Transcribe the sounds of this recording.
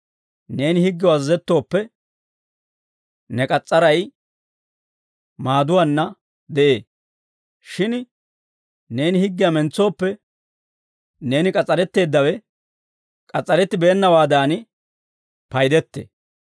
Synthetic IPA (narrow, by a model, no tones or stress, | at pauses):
ne̞ːnɪhɪɡːɪjɔɐzɐzɛt̪ːo̞ːpːɛ | nɛkʼɐt͡sʼːɐɾɐj | maːd̪ʊwanːɐ | d̪ɛʔe̞ː | ʃɪn | ne̞ːnɪhɪɡːɪjɐmɛnt͡sːo̞ːpːɛ | ne̞ːnɪkʼɐt͡sʼːɐɾɛt̪ːe̞ːd̪ːɐwɛ | kʼɐt͡sʼːɐɾɛt̪ːɪbeːnːɐwaːd̪aːnɪ | pɐjd̪ɛt̪ːḛː